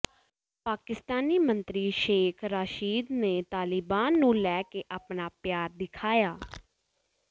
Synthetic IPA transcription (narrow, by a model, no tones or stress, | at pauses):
paːkɪst̪aːniːmənt̪ɾiːʃeːkʰɾaːʃiːd̪neːt̪aːlɪbaːnːũːlɛːkeːʔaːpnaːpjaːɾd̪ɪkʰaːjaː